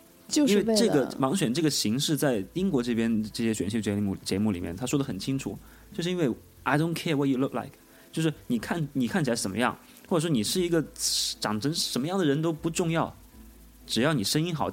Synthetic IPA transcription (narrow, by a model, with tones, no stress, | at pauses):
t͡ɕnwe˥˧ʈ͡ʂɤ˥˩ɡə˩mɑ˧˥ŋɕɥɛ˨˩nʈ͡ʂɤ˥˩ɡə˩ɕi˧˥ŋʂɻ̩˥˧t͡sa˥˩ɪi˥ŋkwɔ˧˥ʈ͡ʂɤ˥˩pjɛ˥nə˨˩ʈ͡ʂɤ˥˩ɕjɛ˥ɕɥɛ˨˩nɕ̬ʰjo˥˩t͡ɕjɛ˧˥mu˥˩t͡ɕjɛ˧˥mu˥˩li˨˩mjɛ̰˥˩nt̪ʰa˥ʂwɔ˥d̪ə˨˩xə˨˩nt͡ɕʰi˥ŋʈ͡ʂʰṵ˨˩˦ | t͡ɕjo˥˧ʂ̬̩˥˧i˥nwe˥˩ɪ | ʔa˧ɪo˥˧ʊ̃nkʰɛ˥˩wɔ˧t̚ju˧lʊ˥k̚la̰˥˩ɪk | t͡ɕjo˥˧ʊʂɻ̩˥˩ni˨˩kʰa˥˩nni˨˩kʰa˥˩t͡ɕʰla˧˥t͡sə˨˩mə˧˦jɑ̰˥˩ŋ | xwɔ˥˩ʈ͡ʂʂwɔ˥ni˨˩ʂɻ̩˥˩i˧˥ɡə˧ʈ͡ʂɑ˨˩ŋʈ͡ʂə˧˥ŋʂə˧˥˩mə˦jɑ˥˩ŋd̪ə˩ɻə˧˥nt̪o˥ʊpu˧˥ʈ͡ʂʊ˥˧ŋjɑ˥˩ʊ | ʈ͡ʂɻ̩˨˩jɑ˥˩ʊni˨˩ʂə˥ŋi˥nxɑ˨˩ʊ